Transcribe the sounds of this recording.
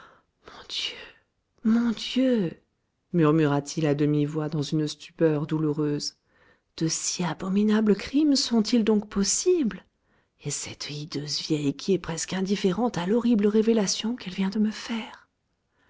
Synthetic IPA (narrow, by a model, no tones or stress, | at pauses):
mɔ̃d̪̥jø | mɔ̃d̪jø | myʁmyʁat̪ʰilad̪əmivwad̪ɑ̃zynst̪y̥pœʁd̪uluʁøz | d̪̥əsiabɔminabləkχimsɔ̃t̪ild̪ɔ̃kpɔsibl | esɛt̪id̪øzvjɛjkʲʰiɛpχɛskɛ̃d̪ifeʁɑ̃t̪alɔʁibləʁevelasjɔ̃kɛlvjɛ̃d̪əməfɛːʁ